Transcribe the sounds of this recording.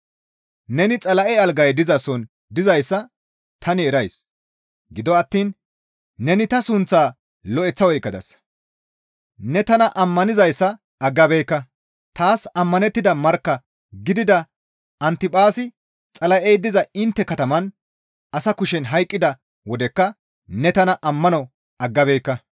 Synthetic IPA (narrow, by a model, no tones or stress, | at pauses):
nɛnɪt͡sʼɐlɐʔɛɐlɡɐjd̪ɪzɐsɔn | d̪ɪzɐjsːɐ | t̪ʰɐnɪɛɾɐjs | ɡɪd̪ɔɐt̪ːiːnː | ɛnɪt̪ɐsʊnt͡sːaː | lɔʔɛt͡sːɐwɔjɪkːɐd̪ɐ̰s | nɛt̪ɐnɐʔɐmːɐnɪzɐjsːɐ | ɐɡːɐbɛjkːɐ | t̪aːsɐmːɐnɛt̪ːɪd̪ɐmɐɾkːɐ | ɡɪd̪ɪd̪ɐ | ɐnt̪ɪpʼaːsɪ | t͡sʼɐlɐʔejd̪ːɪzɐɪnt̪ːɛkɐt̪ɐmɐn | ɐsɐkʊʃɛnɦɐjkʼːɪd̪ɐ | wɔd̪ɛkːɐ | nɛt̪ɐnɐʔɐmːɐnɔ | ɐɡːɐbɛːjkːɐ